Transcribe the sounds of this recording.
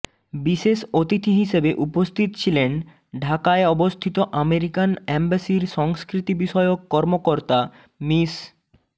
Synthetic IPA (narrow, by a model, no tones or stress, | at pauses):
biʃeʃot̪it̪ʰiɦiʃebeʔupost̪ʰit̪o̥t͡ɕʰilen | ɖʱakaeɔbost̪ʰit̪oʔameɾikanembasiɾʃɔŋskɾit̪ibiʃɔeokːɔɾmokoɾt̪a | mis